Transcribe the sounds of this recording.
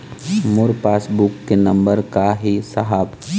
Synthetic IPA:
mʊɾpaːsbukːenɐ̃mbəɾkaɦisɐɦaːb

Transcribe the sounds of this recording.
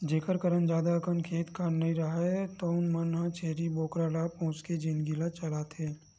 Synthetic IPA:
d͡ʒeːkəɾkəɾənd͡ʒaːd̪aɐkənkʰeːt̪kʰaɾnɐɦĩɾɐɦat̪oʊnmɐnɦãt͡ʃʰeːɾiboːkɾaɾaːpõːt͡ʃked͡ʒinɡilat͡ʃɐlaːt̪ɦeː

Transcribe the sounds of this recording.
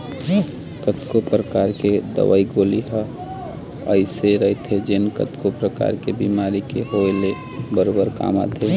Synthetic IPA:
kət̪kopɾəkaːɾked̪ə̰ʋa̰iɡoːliɦə | əɪseɾət̪ʰed͡ʒenkə̰t̪kopɾəka̰ːɾkebimaːɾikeɦoele | bəɾoːbəɾka̰ːma̰t̪ʰe

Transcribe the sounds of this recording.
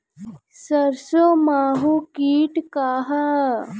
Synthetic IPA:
səɾsomaːɦukiːʈkaːɦa

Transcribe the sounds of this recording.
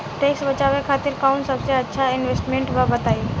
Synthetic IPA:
ʈeksbət͡ʃaːʋekʰaːt̪ɪɾkaʊnsəbseɐtːʃʰaɪnʋesʈmẽɳʈʋabət̪aːi

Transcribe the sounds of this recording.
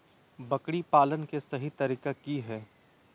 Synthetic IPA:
bɐkɽipaːlənkesɐɦit̪ɐɾiːkekiɦɛː

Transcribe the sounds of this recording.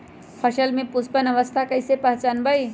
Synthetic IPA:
pʰəsəlmepuspənəʋəst̪ʰakəjsepəɦt͡ʃənbəj

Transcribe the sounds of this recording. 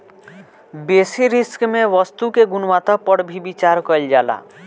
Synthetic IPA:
besiɾiskmẽʋɔst̪ukeɡunwat̪apɔɽbʱibit͡ʃaɾkɔjld͡ʒala̰

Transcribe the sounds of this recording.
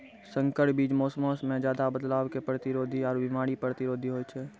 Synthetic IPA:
sə̃ŋkəʈ̚biːd͡ʒmoːsmoːsmẽd͡ʒjaːd̪abəd̪laːwkepɾət̪ɪɾoːd̪ʱiɔːɾbɪmaːɾipɾət̪ɪɾoːd̪ʱiɦoːt͡ʃʰɛː

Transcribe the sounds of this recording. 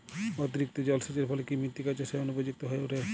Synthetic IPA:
ot̪iɾik̚t̪od͡ʑɔlseʈeɾpʰɔlekimɾit̪ːikat͡ɕaʃeonupod͡ʑuk̚t̪oɦɔeoʈa

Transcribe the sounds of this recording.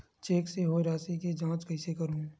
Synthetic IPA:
t͡ʃeːkseɦoːɾaːsiked͡ʒãːt͡ʃkɐɪsekəɾũː

